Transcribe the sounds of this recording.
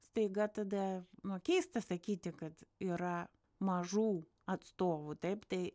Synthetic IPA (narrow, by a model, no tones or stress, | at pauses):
st̪ɐɪɡɐt̪ɐd̪ɐnokʲɛɪst̪ɐsɐkʲiːt̪ʲɪkɐt̪iːɾɐ | mɐʒuː | ɐt̪st̪oːʋut̪ɐɪpt̪ɐɪ